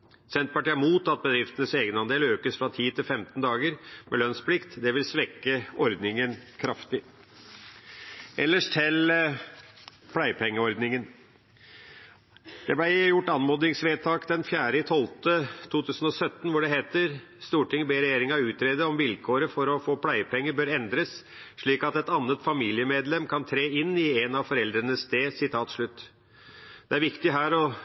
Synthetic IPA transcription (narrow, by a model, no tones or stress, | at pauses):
sɛnt̪̚pɑʈiːæmuːt̪ɑt̪̚bəd̪ɾɪft̪ənəseːɡənɑnd̪eːløːkəsfɾɑt̪ʰiːt̪ʰɪlfɛmt̪nd̪ɑːɡəɾmɛlœnsplɪkt̪d̪ɛʋɪlsʋɛkːəɔɾd̪nɪŋənkʰɾɑft̪ɪ | ɛlːəʂt̪ʰɪl | pʰlæɪpʰɛŋːəɔɾd̪nɪŋən | d̪̥ɛblæɪjʊʈːɑnmɔd̪ɪŋsʋeːt̪ʰɑːkd̪ɛnfjæːɾəɪt̪ʰɔlt̪ət̪ʰuːt̪ʰʉːsənɔsœt̪ːn̩ʋʊɖɛɦeːt̪əɾ | st̪uːʈɪŋːbeːɾɛjeːɾɪŋɑʉːt̪ɾeːd̪əɔmʋɪlkʰoːɾəfɔɾɔfoːpʰlæɪəpɛŋːəbøːɾɛnd̪ɾəs | ʂɭiːkɑt̪ɛt̪ɑnːət̪fɑmiːlɪəmeːd̪lɛmkʰɑnt̪ʰɾeːɪnːɪenɑʋfɔɾɛld̪ɾənəst̪eːsɪt̪ʰɑːt̪ʂɭʉt̪ː | d̪̥ɛæɾʋɪkt̪ɪɦæːɾɔ